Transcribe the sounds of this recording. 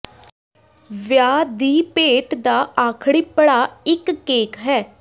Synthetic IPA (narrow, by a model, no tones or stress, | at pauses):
ʋjaːd̪iːpeːʈd̪aːaːkʰɽiːpəɽaːɪkːeːkɦɛː